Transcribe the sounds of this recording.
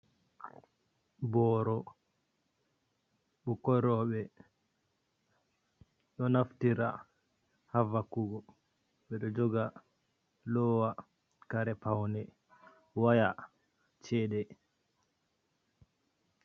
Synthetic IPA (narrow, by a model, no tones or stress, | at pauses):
bɔːɾɔ | ɓɔkɔɾɔɓɛ | ɗɔnaftiɾa̰ | havakuɡɔ | ɓɛɗɔd͡ʒɔɡa | lɔwa | kaɾɛpawnɛ | waja | t͡ʃɛɗɛ